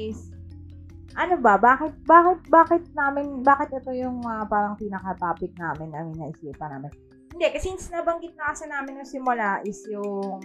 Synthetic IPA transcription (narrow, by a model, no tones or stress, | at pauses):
ɪs | ʔɐnobɐbaːkɪt̪̚baːkɪt̪̚baːkɪt̪̚naːmɪnbaːkɪt̪̚ʔɛt̪o̞jʊŋmɐapaːɾɐŋpinɐkɐt̪aːpɪk̪̚naːmɪnːɐmɐjnɐʔɪsiːpɐna̰ːmɛn | hɪnd̪ɛkɐsɪnsɪnaːbɐŋɡɪt̪̚nɐkɐsɐnaːmɪnjʊŋsɪmʊlaʔɪsjʊŋ